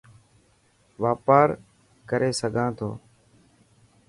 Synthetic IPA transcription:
ʋaːpaːɾ | kəɾʔeːsəɡʱãːt̪ʰo̰ː

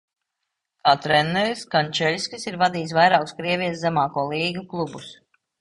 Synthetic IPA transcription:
kaːt̪ɾɛnːɛɾskanʲt͡ʃɛlʲsʲkisiɾvad̪iːs̬vajɾaːkuskɾiɛvʲijszæmaːkuɔlˠiːɡuklˠubus

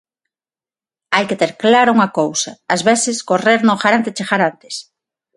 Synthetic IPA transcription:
ajket̪eɾklaɾouŋɐkowsɐːzβeθɪskoreɾnoxaɾant̪et͡ʃexaɾant̪e̥s

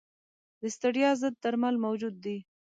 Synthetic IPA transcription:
d̪əst̪aɽjɑzəd̪̚t̪aɾmalmawd͡ʒud̪̚ːi

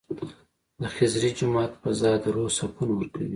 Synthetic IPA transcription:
d̪əxɪzɾid͡ʒʊmɑːt̪pəzɑd̪ɾosapunwəɾkawi

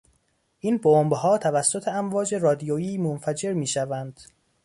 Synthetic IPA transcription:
ʔiːnbombhɒːt̪ʰævæsːot̪ʰeæmvɒːd͡ʒe̞rɒːd̪ijojiːmonfæd͡ʒe̞ɾmiːʃævænd̪̥

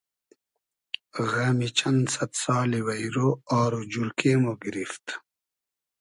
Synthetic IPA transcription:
ɣamit͡ɕɐnsɐt̪saːliwɐjɾoaːɾod͡ʑuɾkʰeːmoːɡiɾift̪

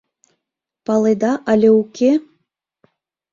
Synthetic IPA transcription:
pɑlˠed̪ɑʔɑlʲeukʲe

